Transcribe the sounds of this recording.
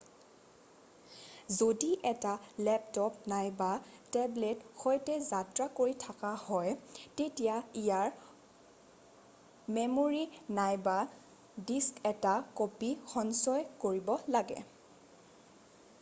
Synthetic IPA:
zodiʔɛtalɛptɔp̚najbatɛbletxɔjtɛzatɹakoɹitʰakahɔjtetijaijaɹ | memoɹinajba | diskɛtakopixɔnsɔjkoɹibɔlaɡɛ̰

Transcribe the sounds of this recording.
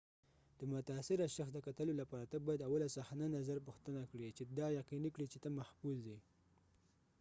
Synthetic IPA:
d̪̥əmʊt̪aːsɪɾaʃaxd̪əkat̪əlolapɑɾat̪abɑjad̪awalasaxnanazaɾpʊxt̪ənakɽit͡ʃed̪ɑjaqinikɽit͡ʃet̪amahfuzd̪i

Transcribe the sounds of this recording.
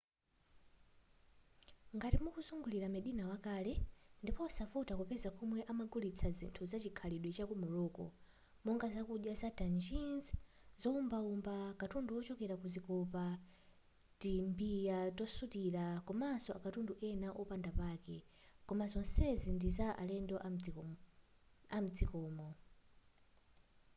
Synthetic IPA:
ŋɡatimukuzuŋɡuliɾamɛɗinawakaːlɛndipɔsafutakupɛzakʰumwɛʔamaɡulit͡sʰazḭntʰuzat͡ʃikʰaliɗwɛt͡ʃakumuɾɔːkɔ̰ | mɔŋɡazakuɗjazatand͡ʒinz | zɔumbaumbakatunduwɔt͡ʃɔkɛɾakuzikɔpa | timbijatɔsutiɾakɔmasɔakatunduʔɛnaʔɔpandapaːkɛkɔmazɔnsɛzindizaʔalɛndɔʔa | am̩d͡zikɔːmɔ

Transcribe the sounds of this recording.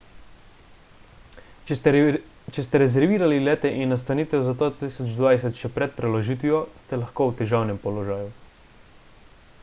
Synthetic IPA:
t͡ʃɛst̪ɛɾɛzɛɾʋiːɾalilɛːt̪ɛʔinːas̬t̪anit̪ɛwzat̪ot̪iːsɔd͡ʒd̪ʋaːjsɛt̪ʃɛpɾɛt̪̚pɾɛlɔʒiːt̪ʋijɔst̪ɛlaxkoːwt̪ɛʒaːwnɛmpɔlɔʒaːju

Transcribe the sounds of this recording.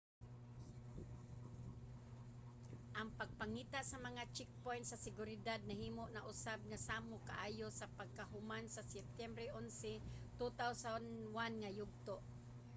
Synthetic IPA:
ʔaŋpaɡ̚paŋiːt̪aʔsamɐŋat͡ʃɛk̚pojnt̪sasɪɡʊɾɪd̪ad̪̚nahiːmoʔnaʔʊsab̚ŋasaːmokaʔaːjosapaɡ̚kaɦʊmansasɛp̚t̪ɛmbɾɛʔʊnsɪ | t̪ut̪awsanwanŋajʊɡ̚t̪oʔ

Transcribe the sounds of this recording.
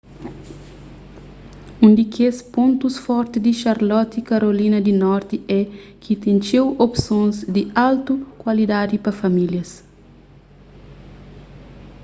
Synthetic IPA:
ũnd̪ikʰespõnt̪usfɔɾt̪id̪iʃaɾlɔt̪ikaɾolinɐd̪inɔɾt̪iɛkʰit̪ẽnt͡ʃewopsõnzd̪ialt̪ukwalid̪ad̪ipɐfɐmiljɐs

